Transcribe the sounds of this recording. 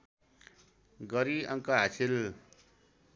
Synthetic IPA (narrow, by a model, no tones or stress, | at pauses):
ɡʌɾiʌŋkaɦasʰil